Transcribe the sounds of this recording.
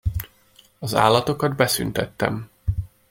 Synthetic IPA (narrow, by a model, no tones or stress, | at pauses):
ɒza̰ːlːɒt̪o̞kɒd̪bɛsy̰nt̪ɛt̪ːɛ̰m